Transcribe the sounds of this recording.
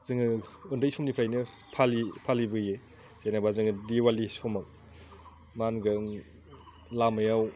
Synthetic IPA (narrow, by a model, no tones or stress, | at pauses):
zɯŋɯɯndɯjsomnipʰɾajnɯ | pʰalipʰalibɯje | z̥enabazɯŋɯdiwalisomak̚ | manɡɯŋ | lamajaw